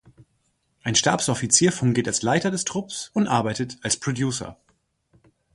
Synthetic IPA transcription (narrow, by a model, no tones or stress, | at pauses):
ʔaɪnʃtaɐpsɔfit͡siːɐfʊŋɡɪːtalslaɪtɐdɛstʁ̥ʊpsʊntʔaɐbaɪtətalspʁ̥odjuːsɐ̰